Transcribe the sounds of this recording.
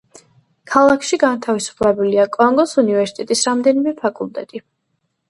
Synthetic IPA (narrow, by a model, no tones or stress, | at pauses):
kʰalˠakʰʃiɡant̪ʰavisu̥pʰlɛbuliakʼɔŋɡɔsunivɛɾsi̥t̪ʼɛt̪ʼisɾamd̪ɛnimɛpʰakʼulˠt̪ʼɛt̪ʼi